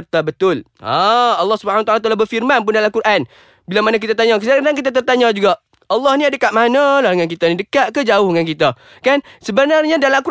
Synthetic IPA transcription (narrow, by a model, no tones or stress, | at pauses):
rt̪abət̪ʊl | aɑlːɑhsubəhanwat̪alwat̪alabərfirmanpʊndalakuɾʔan | bilamanak̬it̪at̪aɲaksaɾdaŋkit̪̬at̪̬ərt̪aɲad͡ʒuɡaʔ | ɑlːɑhniadəkaʔ̪̚manalaŋank̬it̪anidəkaʔ̪̚kəd͡ʒaʊhŋank̬it̪a | kansəbənarɲadalaku